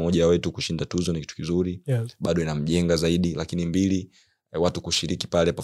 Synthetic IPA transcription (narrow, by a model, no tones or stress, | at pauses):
mɔʄawɛtukuʃindatuzɔniki̥tu̥kizuɾiɓaɗɔinam̩ʄɛŋɡazaiɗilʔakinimbili | watukuʃiɾiki̥palɛpa